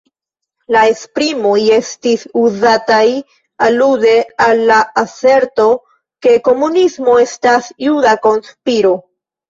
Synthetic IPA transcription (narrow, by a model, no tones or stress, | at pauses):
lae̞spɾimoje̞stisuzataj | alude̞alːaase̞ɾto̞ | ke̞ko̞munismo̞e̞stasjudako̞nspiɾo̞